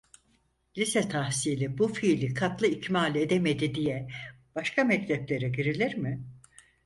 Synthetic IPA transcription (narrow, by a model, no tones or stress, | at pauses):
lʲisɛt̪ʰahsiːlʲibufiːlʲikʰat̪lˠɯicmaːlʲe̞d̪eme̞d̪id̪ijɛ | b̥aʃkʰamɛct̪ʰʲɛplʲe̞ɾɛɟiɾilʲiɾmɪ